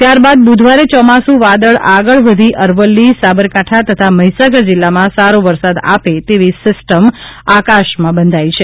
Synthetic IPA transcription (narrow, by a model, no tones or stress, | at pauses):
t̪jaɾbad̪̚bud̪ʱʋaɾet͡ʃɔmasũʋad̪əɭaɡəɭʋəd̪ʱiʔəɾʋəlːisabəɾkaʈʰat̪ət̪ʰaməɦisaɡəɾd͡ʒɪlːamãsaɾoʋəɾsad̪a̰pet̪eʋisɪsʈəmakaʃmãbənd̪ʱajt͡ʃʰe